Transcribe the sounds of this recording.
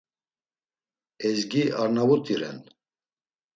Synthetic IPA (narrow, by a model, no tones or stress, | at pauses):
ɛzɡiʔaɾnavut̪ʼiɾɛ̰n